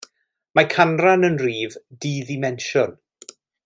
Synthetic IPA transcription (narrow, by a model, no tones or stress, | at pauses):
makʰanranənriːvdiːðɪmɛnʃʊn